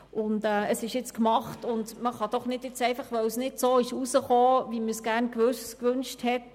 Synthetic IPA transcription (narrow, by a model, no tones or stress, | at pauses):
ʊndɛːəsɪʃjɪt͡skmɑχtʊndməχɑd̥ɔχnɪdjɪt͡sɛɪfɑχʋœwsnɪdsoːɪʃusəχoːviməsɡ̥æʁnkvøskʋʉnʃthɛt